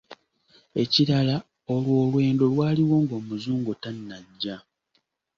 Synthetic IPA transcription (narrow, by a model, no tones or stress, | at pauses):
e̞ciɾala | o̞lwo̞ːlwe̞ːndo̞lwaːliwo̞ːŋɡo̞ːmuzuːŋɡotanːaɟːa